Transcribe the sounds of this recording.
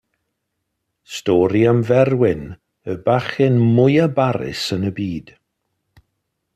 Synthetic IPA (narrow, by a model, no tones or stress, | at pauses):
stɔːɾiamvɛrwɪn | əbaχɪnmʊjabaɾɪ̰sənəbiːd̥